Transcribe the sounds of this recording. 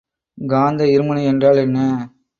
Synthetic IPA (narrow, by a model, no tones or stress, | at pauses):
ɡaːnd̪ɐɪɾɯmɐnɐɛndraːlɛnːɐ